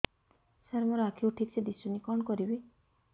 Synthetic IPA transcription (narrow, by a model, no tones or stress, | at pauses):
saɾmɔɾɔakʰiwʈʰikt͡ʃʰɛd̪isunikɔɳkɔɾibi